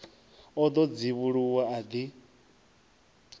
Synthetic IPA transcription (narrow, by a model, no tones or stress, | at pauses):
ɔd̪ɔd͡ziβuɺuwaad̪i